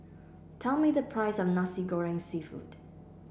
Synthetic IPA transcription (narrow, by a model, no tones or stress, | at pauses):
tʰɛlˠmiðəpʰɹ̥aɪsɔfnasiɡɔɹɪ̃ŋsifṵt